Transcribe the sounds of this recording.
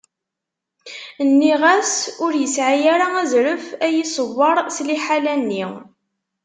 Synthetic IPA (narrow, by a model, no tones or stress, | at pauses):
nːiʁæsʊɾjəsʕajaɾaæzɾəfæjisəvːɑɾˤsliħalænːi